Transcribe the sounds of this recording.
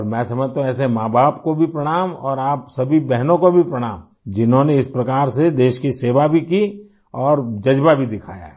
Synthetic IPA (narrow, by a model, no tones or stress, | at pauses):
ɔɾmɛ̃ːsɐməd͡ʒt̪ãɛːs̬emãːbaːpkobʱipɾɐɽ̃aːmɔːɾaːpsɐbʱibɛɦnõkobʱipɾɐɽ̃aːm | d͡ʒɪnɦõneɪspɾɐkaːɾsed̪eːʃkiseːʋabʱiki | ɔːɾd͡ʒɐd͡ʒbabʱid̪ɪkʰaːja̰ɦɛ